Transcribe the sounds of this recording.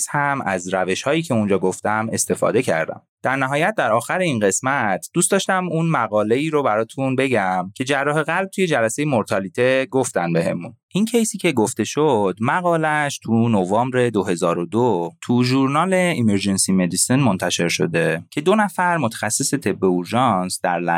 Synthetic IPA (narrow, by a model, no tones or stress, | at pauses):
shæmæ̰zɾæve̞ʃhɒːjiːcʰe̞und͡ʒɒːɡoft̪æme̞st̪e̞fɒ̰ːd̪e̞cʰæ̰ɾd̪æ̰m | d̪̥æɾnæɦɒːjæt̪̚d̪æɾɒːxæɾeinɢe̞smæt̪ʰd̪̥ust̪d̪ɒʃt̪æmunmæɣɒːle̞iːɾobæɾɒːt̪ʰunbe̞ɟæmcʰe̞d͡ʒærːɒːɦe̞ɣælb̚t̪ʰuje̞d͡ʒælæse̞jemoɾt̪ʰɒlit̪ʰeɡoft̪ænbe̞ɦe̞̰munʔincʰejsiːcʰe̞ɡoft̪e̞ʃod̪̥mæɣɒːlæʃt̪ʰunovɒːmbɾe̞d̪oɦe̞zɒːɾod̪ot̪ʰuʒuɾnɒːleimeɾd͡ʒe̞nsime̞d̪isinmo̞nt̪ʰæʃe̞ɾʃo̞̰d̪e̞cʰe̞d̪o̞næfæɾmot̪ʰæ̥xæsːise̞t̪ʰe̞bːe̞uɾʒɒnsd̪̥æɾlæ̰